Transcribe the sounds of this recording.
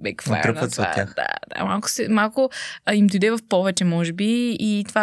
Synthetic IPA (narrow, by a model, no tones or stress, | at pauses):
bɛkfo̰t̪ɾənvət̪sɛa̰ja̰xd̪a̰d̪̥a̰malˠkʊ̥sɛmalˠkʊimd̪ojd̪ɛvɐfpɔvɛt͡ʃɛmɔʒɛbiit̪ova